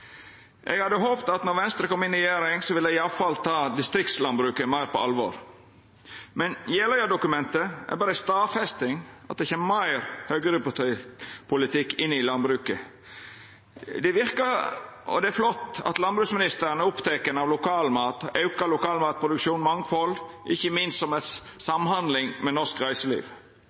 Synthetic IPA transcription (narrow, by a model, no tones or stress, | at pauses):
ʔɛɡhɑd̪ːəɦoːpt̪ɑt̪nɔɾʋɛnst̪ɾəkɔmːɪnɾɛjeːɾɪŋsɔʋɪlːəɪɑʋfɑlt̪ʰɑːd̪ɪst̪ɾɪk̚t̪slɑnbɾʉːkəmæɪɾpʰɔ̰ɑ̰lʋɔ̰ɾ | mɛnjɛləæːd̪ʊkʉmɛnt̪əʔɛ̰ɾbɑːɾəst̪ɑːfɛst̪ɪŋʔɑt̪d̪ɛçeːmmæɪɾhœɡəɾɪpʊt̪pʰʊlɪt̪ʰɪkːɪnːɪlɑnbɾʉːkə | d̪ɛʋɪɾkəɔ̰d̪ɛæɾflɔt̪ːɑ̰t̪lɑnbɾʉːksmɪnɪst̪əɾnəʊpt̪ʰeːkənɑʋlʊkʰɑːlmɑːt̪ʔɑʉkɑlʊkɑːlmɑːt̪̚pʰɾʊd̪ʉkʃuːnmɑŋfɔl | ʔɪçːəmɪnst̪sɔmɛt̪ | sɑmhɑnd̪lɪŋmɛnɔskɾæɪsəlḭːʋ